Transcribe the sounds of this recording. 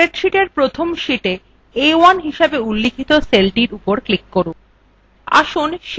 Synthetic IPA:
eʈʃiʈeɾpɾot̪ʰomʃiʈe | ewanɦiʃebeulːikʰit̪oselʈiɾupoɾklikːoɾu | a̰ʃunʃ

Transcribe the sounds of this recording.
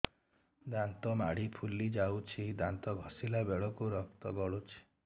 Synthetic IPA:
d̪ant̪ɔma̰ɽipʰulid͡ʒawt͡ʃʰid̪ant̪ɔɡʱɔsilabeɭɔkuɾɔk̚t̪ɔɡɔɭut͡ʃʰi̥

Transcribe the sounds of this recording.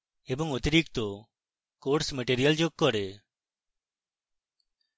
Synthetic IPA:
eːboŋʊt̪əɾiːk̚t̪oː | koːʈsməʈeːɾɪjəld͡ʒoɡ̚kːɔɾeː

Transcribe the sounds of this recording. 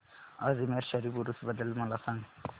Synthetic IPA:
azimeɾʃɐɾibuɾusbɐd̪əlmɐlasãŋ

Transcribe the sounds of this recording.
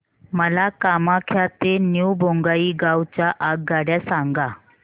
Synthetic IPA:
məlakamakʰjat̪enjuwbʱoŋɡaiːɡawt͡ɕaʔaɡ̚ɡaɽjasaŋɡa

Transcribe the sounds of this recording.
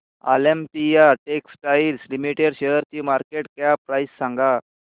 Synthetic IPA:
a̰lempijaʈeksʈailslimiʈeɽɕejəɾt͡ɕiːmaɾkeʈkjapɾaisːãŋɡa

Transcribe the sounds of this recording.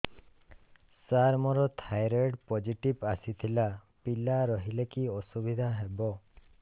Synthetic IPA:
saɾmɔɾɔt̪ʰajɾeɖpɔd͡ʒiʈibasit̪ʰila | pilaɾɔɦilekiɔsubid̪ʱaɦebɔ

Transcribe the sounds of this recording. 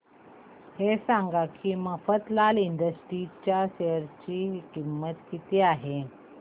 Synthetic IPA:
hesãŋɡakʰiːməfət̪laliɳd̪əsʈɾit͡ɕjaɕeəɾt͡ɕiːkimːət̪kit̪iaɦe

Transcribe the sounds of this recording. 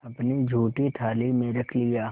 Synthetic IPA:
ɐpnid͡ʒʱuːʈit̪ʰaːlimẽɾɐkʰlɪjaː

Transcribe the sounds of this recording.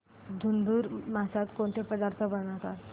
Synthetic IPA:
d̪ʱund̪uːɾmasat̪koɳt̪ʰepəd̪aɾt̪ʰəbəɽ̃at̪at̪

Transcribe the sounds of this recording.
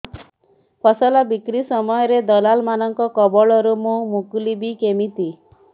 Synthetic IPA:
pʰɔsɔlabikɾisɔmɔjɔɾed̪ɔlalmanɔŋkɔkɔbɔɭɔɾumumuklibikemit̪i

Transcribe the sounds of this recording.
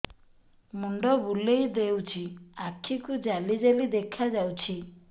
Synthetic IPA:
muɳɖɔbulejd̪ewt͡ʃʰiakʰikud͡ʒalid͡ʒelid̪ekʰad͡ʒawt͡ʃʰi

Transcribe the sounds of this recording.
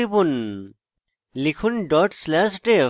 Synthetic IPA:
ibun | likʰunɖɔʈslasʈe

